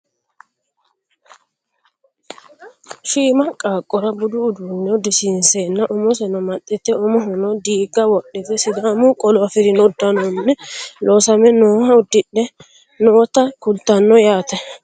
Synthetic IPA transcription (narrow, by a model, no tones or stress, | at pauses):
ʃiːmɐkʼːaːkʼɔɾɐbʊd̪ʊːd̪unːɛd̪ɪsinsenːɐʔɔmɔsɛnɔmɐt̪ʼːɛt̪ːɛɔmɔɦɔnɔd̪iːɡɐwɔɗːɛtɛsɪd̪aːmʊkʼɔlɔafɪɾɪnɔd̪ːɐnɔnːɛlʔɔːsɐmɛnoːhɐʊd̪ːɪɗːɛ | noːt̪ɐkʊlt̪ɐnːɔjaːt̪ɛ